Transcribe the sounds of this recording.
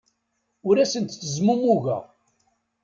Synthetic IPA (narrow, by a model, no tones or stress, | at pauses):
ʊɾæsənt̪θəzmumuʝæ̰